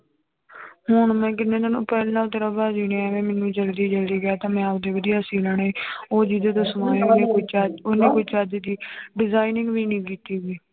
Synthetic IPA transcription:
hʊɳmɛ̃ːkɪnːẽːt̪ənũːpɛːleːnaːt̪əɾabaːd͡ʒiːnẽːɛːʋɛ̃ːmɛːnːũːd͡ʒəld̪iːd͡ʒəld̪iːɡɪjaːt̪ãːmɛ̃ːəpd̪eːʋəd̪ijaːsiːlaːɽːiːoːd͡ʒiːd̪eːt̪̬oːsəmaːẽːneːoit͡ʃːonẽːkoit͡ʃaːd̪d̪iːɖɪzaːinɪ̃ŋɡʋiːnĩːkiːt̪iːɡiː

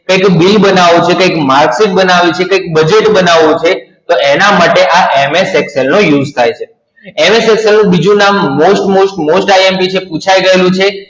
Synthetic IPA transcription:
kəjkbilbənaʋũt͡ʃʰekəjkmaɾksiʈ̚bənaʋit͡ʃʰekəjk̚bəd͡ʒeʈbənaʋũt͡ʃʰet̪oenamaʈeʔaʔemesɛkselnojud͡ʒt̪ʰajt͡ʃʰe | emesekselnũbid͡ʒũnamːosʈmosʈmosʈajiempit͡ʃʰepũt͡ʃʰajɡəelũt͡ʃʰe

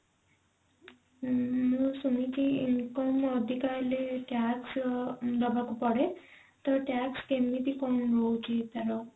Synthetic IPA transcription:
musunit͡ʃʰiiŋkɔmɔd̪ʱikaɾleʈjaksd̪ɔbakupɔɽe | t̪ɔʈjakskemit̪ikɔnɾowt͡ʃʰit̪aɾɔ

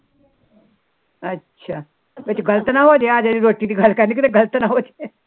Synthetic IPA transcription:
ətːɕʰa | ʋət̪iɡəlt̪ənaɦot̪ead͡zadiɾoʈiːt̪iɡʱalkanikid̪eɡəlt̪ənaɦot̪e

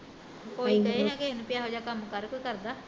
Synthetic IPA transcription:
koːiːkɛɦeɛ̃ːkeenũːpɪjaːɦoːd͡ʒaːkəmkəɾkoːkəɾd̪aː

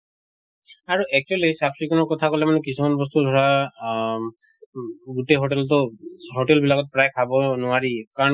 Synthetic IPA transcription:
aɹuʔɛk̚t͡ʃuelejsapʰɹikɔnɔkɔt̪ʰakɔlɛmanɛkisumanbɔs̬t̪ud̪ʱɔɹa | ɡuteɦoʈeltɔɦoʈɛlbilakɔt̚pɹajkʰabɔnʊaɹikaɹɔ

